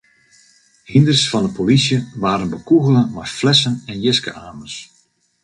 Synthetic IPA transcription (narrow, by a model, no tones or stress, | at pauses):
hɪndərsfɑndəpolisjəʋaːɾənbəkuɣəlˠəmɛflɛsənɛnjɪskə̰ʔaːməs